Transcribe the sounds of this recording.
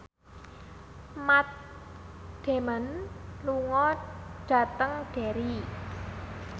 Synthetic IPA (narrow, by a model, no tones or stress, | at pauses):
mat̪̚ | ɖ̥e̤mənluŋɔɖ̥a̤t̪əŋɖ̥e̤ɾi